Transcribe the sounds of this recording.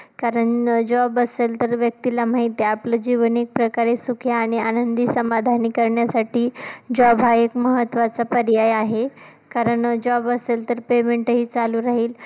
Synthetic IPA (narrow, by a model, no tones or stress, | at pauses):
kaɾəɳd͡ʑɔbəselt̪əɾʋjək̚t̪ilamaɦit̪eapləd͡ʑiʋənek̚pɾəkaɾesukʰjaːɽ̃ianənd̪iːsəmad̪ʱanikəɾɳjasaʈiːd͡ʑɔbʱaekməɦət̪ːʋat͡sapəɾijajaɦe | kaɾəɳd͡ʑɔbəselt̪əɾpemeɳʈɦiːt͡saluːɾaɦiːl